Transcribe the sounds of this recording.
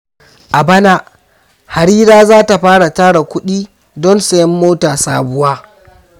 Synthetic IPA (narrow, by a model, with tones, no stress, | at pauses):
ʔa˨bɐ˦na˦ | ha˨ɽiː˦ɾaː˦zaː˦ta˨ɸaː˦ɽa˨taː˦ɽa˨kʷʊ˦ɗiː˦ | dɔ˦nsɐ˨jɛ˦mːoː˦taː˨saː˦bʊ˦waː˦